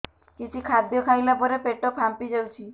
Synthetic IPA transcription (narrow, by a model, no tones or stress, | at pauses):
kit͡ʃʰikʰad̪jɔkʰajlapɔɾepeʈɔkʰampid͡ʒewt͡ʃʰi